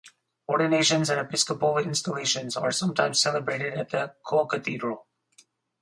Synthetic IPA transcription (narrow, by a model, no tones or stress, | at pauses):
ɔɹdⁿɨneɪʃɨ̃nzɨ̃nɨpɪskəpl̩ˠɪ̃nstəleɪʃɨ̃nzə˞sʌ̃mtʰãɪ̃mz̥sɛlˠəbɹeɪɾɨɾɨt̪̚ðɨkʰolˠkɨθidɹəlˠ